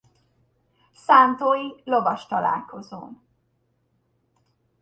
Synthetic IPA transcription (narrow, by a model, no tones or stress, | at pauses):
saːnt̪oːjilovɒʃt̪ɒla̰ːlko̞zo̰ːn